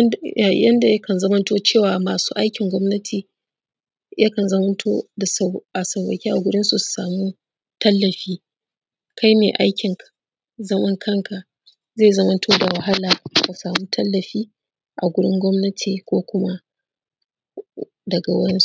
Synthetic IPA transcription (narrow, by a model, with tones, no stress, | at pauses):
a˨jɐ˦nda˨jɐ˦kɐ˨nzɐ˦mɐ˦ntoː˦t͡ʃeː˦˨waː˨maː˨su̥̰ː˦ʔa˦jkʲɪ˨ŋɡʷɔ˦mnɐ˦tʰiː˨ | jʔa˦kɐ˨nzɐ˦mɐ˦ntʰoː˦da˨sʔa˨sɐ˨wwɐ̰˨kʲiː˦ʔa˨ɡʷʊ˦ɽɪ˦nsu˨su̥˨saː˨muː˦ | tɐ˦lːɐ˨ɸiː˦ | kʰa˦jmḛː˨ʔa˦jkʲɪ˨ŋk | zɐ˦mɐ˦ŋkʰɐ˦˨ŋkʰa˨ʔ | zeː˦˨zɐ˦mɐ˦ntʰoː˦da˨wɐ˨ɦa˦laː˨ka˨saː˨muː˦tʰɐ˦lːɐ˨ɸiː˦ | ʔa˨ɡʷʊ˦ɽɪ˦ŋɡʷɔ˦mnɐ˦tʰi˨kʷoː˦kʷʊ˦ma˦ | dɐ˨ɡa˨wɐ̰˦ɽɪ˦su˦